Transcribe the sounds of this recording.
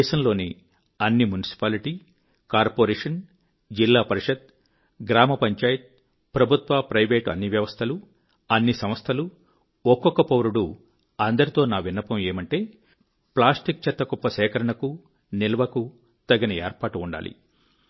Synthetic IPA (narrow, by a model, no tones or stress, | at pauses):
ʃɐmlo̞ːni | ɐnːimunisi̥paːliʈiː | kaːɾpoːɾeːʂɐn | d͡ʒilːaːpɐɾiʂɐd̪̚ | ɡɾaːmɐpɐɲt͡ʃaːjɐt̪̚ | pɾɐbʱut̪ʋaːpɾɐjʋeːʈɐ̰nːiʋjɐʋɐst̪ʰɐlu | ɐnːisɐmɐst̪ʰɐlu | ɔkːɔkːɐpɐwɾuɽu | ɐnd̪ɐɾit̪o̞ːnaːʋinːɐpɐme̞ːmɐɳʈe̞ː | plaːsʈik̚t͡ʃɐt̪ːɐkɔpːɐʃɛːkɐɾɐɳɐku | nilɐʋɐku | t̪ɐɡɐnɐḛːɾpaːʈuːɳɖa̰ːlḭ